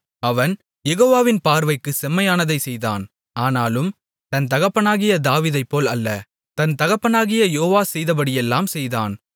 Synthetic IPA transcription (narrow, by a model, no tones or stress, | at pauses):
ɐʋɐn | jɛɣoːʋaːʋɪnpaːɾʋɐɪkːɯsɛmːɐjaːnɐðɐɪsɛjða̰ːn | aːnaːlɯm | t̪ɐnt̪ɐɣɐpːɐnaːɣɪjɐd̪aːʋiːðɐɪpːoːlɐlːɐ | t̪ɐnt̪ɐɣɐpːɐnaːɣɪjɐjoːʋaːsɛjðɐpɐɽɪjɛlːaːmsɛjða̰ːn